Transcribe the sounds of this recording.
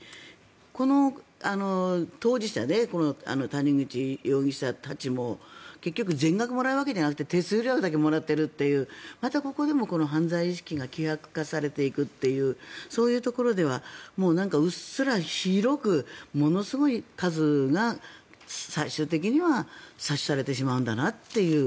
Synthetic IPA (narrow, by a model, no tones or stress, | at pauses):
ko̞no̞ano̞t̪o̞ːd͡ʑiɕi̥t̪a̰ne̞ko̞no̞a̰no̞t̪aɲ̟ĩŋɡɯ̟t͡ɕijo̞ːŋʲĩɕi̥t̪at̪at͡ɕimo̞ke̞kʲːok̬ɯ̟zẽ̞ŋɡakɯ̟mo̞ɾaɯ̟βake̞d͡ʑanakɯ̟̥t̪et̪e̞sɨːɾʲjakɯ̟d̪ak̬e̞mo̞ɾat̪ːe̞ɾɯ̟t̪ːe̞jɯ̟ːmat̪ako̞ko̞d̪e̞mo̞ko̞no̞ɦãnd͡zaiːɕi̥kʲiɡakʲihakɯ̟̥kasaɾe̞t̪e̞ikɯ̟t̪ːe̞jɯ̟ːso̞ːjɯ̟ːt̪o̞ko̞ɾo̞d̪e̞β̞amo̞ːnãŋkaɯ̟ssɨɾaçiɾo̞kɯ̟mo̞no̞sɨɡo̞ikazɨɡa | saiɕɨːt̪e̞k̬ʲiɲ̟iβasaɕi̥saɾe̞t̪e̞ɕ̬imaɯ̟nd̪anat̪ːe̞jɯ̟ː